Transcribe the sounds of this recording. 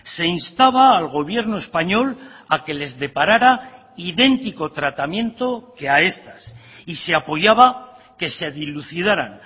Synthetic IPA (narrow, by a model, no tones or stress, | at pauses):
se̞inst̪aβaːlɣ̞o̞βje̞ɾnoe̞spaɲo̞lake̞le̞zðe̞paɾaɾa | iðe̞nt̪iko̞t̪ɾat̪amjẽ̞nt̪o̞ke̞ae̞st̪as | ise̞apo̞ʝaβa | ke̞seðiluθið̞aɾan